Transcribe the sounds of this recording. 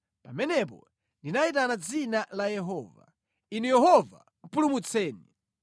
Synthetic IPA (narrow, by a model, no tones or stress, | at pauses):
pamɛnɛp̬ɔ̰ | ndinaitanad͡zinalajɛɦɔːva̰ | inujɛɦɔva̰ | m̩pulumut͡sʰɛːni